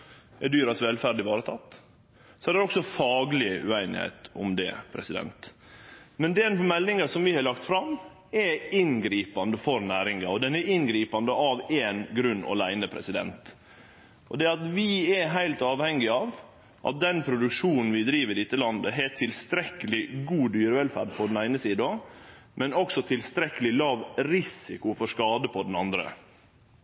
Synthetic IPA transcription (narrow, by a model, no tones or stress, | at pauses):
ɛd̪yːɾɑsʋɛlfæɾɖɪʋɑːɾət̪ʰɑ̰t̪ː | sɔɛɾd̪ɛɾɔksɔfɑːɡlɪəʔʉ̰æɪnɪ̰hæ̰ɪt̪ʊ̰md̪ɛ̰pʰɾɛ̰sɪd̪ɛ̰nt̪ | mɛnd̪ɛnmɛlːɪŋɑsɔmʋɪhɑɾlɑkt̪fɾɑm | ɛɾɪnɡɾiːpɑnd̪əfɔɾnæːɾɪŋɑɔd̪ɛnɛɾɪnɡɾiːpɑnd̪əɑʋeːnɡɾʉnːɔ̰læɪnəpʰɾɛ̰sɪd̪ɛ̰nt̪ | ʔɔ̰d̪ɛɑt̪ʋɪɛɦæɪlt̪ɑːʋhɛŋːɪɑːʋ | ʔɑ̰t̪̚d̪ɛnpʰɾʊd̪ʉkʂuːnn̩ʋɪd̪ɾiːʋəɾɪt̪ːəlɑnd̪əɦɛt̪ʰɪlst̪ɾɛkːəlɪɡuːd̪yːɾəʋɛlfæ̰ːɖ̚pʰɔd̪n̩æɪnəsiːd̪ɑ | mɛnɔksɔt̪ʰɪlst̪ɾɛkːəlɪlɑːʋɾɪsɪkʊfɔʂkɑːd̪əpʰɔd̪n̩ɑnd̪ɾə̰